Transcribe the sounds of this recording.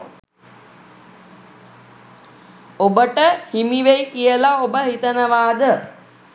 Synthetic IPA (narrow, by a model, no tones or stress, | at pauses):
obəʈəhimiʋejkijəlaobəɦit̪ənəʋaːd̪ə